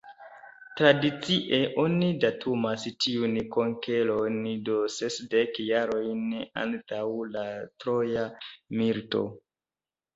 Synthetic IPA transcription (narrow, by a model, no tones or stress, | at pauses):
tɾadit͡siʔe̞ʔo̞nidatʰumastiunkoŋke̞lo̞ndo̞sesdekjaɾo̞jna̰ntawlatɾojamilto̞̰